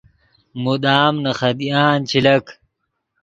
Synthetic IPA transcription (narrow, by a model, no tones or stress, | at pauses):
mud̪aːmnɐxɐd̪ijaːnt͡ɕʰilɐk